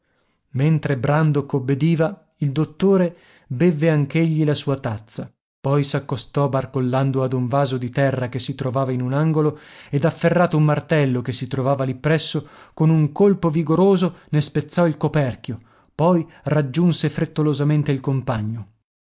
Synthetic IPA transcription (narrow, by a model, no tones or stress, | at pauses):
ment̪ɾebɾand̪okobːed̪iːva | ild̪ot̪ːoːɾe | bevːeaŋk̟eʎːilasuːat̪at̪sːa | pɔjsakːost̪ɔbarkolːand̪oad̪uɱvaːzod̪it̪ɛrːakesːit̪ɾovaːvainunaŋɡoloed̪afːerːaːt̪oumːart̪ɛlːokesːit̪ɾovaːvalipːɾɛsːokonuŋkolpoviɡoɾoːzonespet̪sːɔilkopɛrk̟jo | pɔj | rad͡ʒːunsefɾet̪ːolozament̪eilkompaɲːo